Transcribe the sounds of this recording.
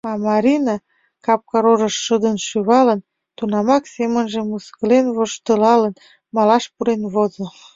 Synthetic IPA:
ɑmɑɾʲinɑ | kɑp̚kɑɾoʒəʃːəd̪ənʃyβɑlən | t̪unɑmɑksemənʒemuskəlenβoʃt̪əlɑlən | mɑlɑʃpuɾenβozo

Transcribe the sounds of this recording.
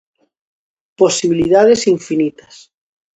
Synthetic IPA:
posiβiliðað̞esiɱfinit̪ɐs

